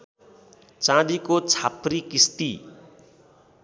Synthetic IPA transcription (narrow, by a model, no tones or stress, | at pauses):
t͡sãd̪ikot͡sʰaprikist̪i